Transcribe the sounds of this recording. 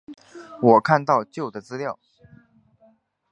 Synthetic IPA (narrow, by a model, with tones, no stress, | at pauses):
wɔ˨˩kʰa˥˧nt̪ɑ˥˧ʊt͡ɕjo˥˩ʊd̪ə˩t͡sɹ̩˥ljɑ˥˩ʊ